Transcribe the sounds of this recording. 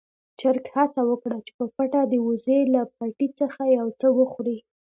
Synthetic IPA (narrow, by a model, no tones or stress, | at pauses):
t͡ʃaɾkhat͡sawəkɽat͡ʃe̥pəpaʈad̪əwuzelap̚aʈit͡səxajawt͡səwəxɾi